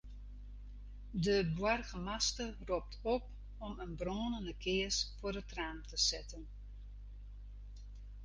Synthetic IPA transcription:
dəbwarɣəmastərop̚tʰɔp | ɔmənbroːnəndəkʰɪəsfʊərətraːmtəsɪtən

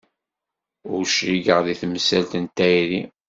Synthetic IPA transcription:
ʊɾʃɾiɡəʁðiθməsælt̪ənt̪ːæjɾi

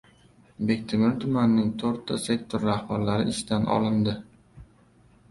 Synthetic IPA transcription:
be̞kʲt̪ʰɪmɪɾt̪ʰʊmanːɪŋt̪ʰoɾt̪ʰːase̞kʲt̪ʰoɾːahbaɾlaɾɪɪʃd̪anʔɒ̰lˠɪnd̪ɪ

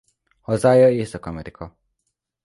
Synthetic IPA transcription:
hɒzaːjɒeːsɒkɒmɛɾikʰɒ

